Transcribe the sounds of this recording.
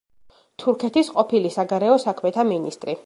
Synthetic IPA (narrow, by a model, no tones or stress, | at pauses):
t̪ʰuɾkʰɛt̪isqʼɔpʰilisaɡaɾɛɔsakʰmɛt̪ʰaminist̪ʼɾi